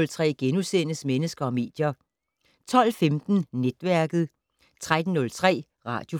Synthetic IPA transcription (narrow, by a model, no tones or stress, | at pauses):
lt͡sʰʁɛ̰ːɡ̥enusenəsmenəsɡ̥ɐɒ̽me̝̰ːd̥jɐ | t͡sʰɒ̽l̰femd̥n̩ned̥ʋæɐɡ̥ð̞̩ˠ | t͡sʰʁad̥n̩ːɔ̽lt͡sʰʁɛ̰ː | ʁɑ̰̈ːd̥jo̝